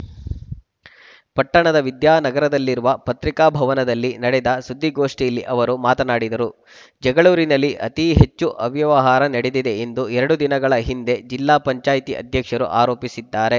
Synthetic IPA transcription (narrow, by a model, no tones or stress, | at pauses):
pɐʈːɐɳɐd̪ɐʋid̪jaːnɐɡɐɾɐd̪ɐlːiɾuʋɐpɐt̪ɾikaːbʱɐʋɐnɐd̪ɐlːinɐɽed̪ɐsud̪ʱːiɡo̞ːʂʈijɐlːiʔɐʋɐɾumaːt̪ɐnaːɽid̪ɐɾu | d͡ʒɛɡɐɭuːɾinɐlːiʔɐ̰t̪iɦe̞t͡ʃːuʔɐʋjɐʋɐɦaːɾɐnɐɽed̪id̪e̞end̪uɛɾɐɽud̪inɐɡɐɭɐɦind̪e̞d͡ʒilːaːpɐɲt͡ʃaːjt̪iʔɐ̰d̪ʱjɐkʂɐɾṵʔa̰ːɾo̞ːpisid̪ːaːɾe̞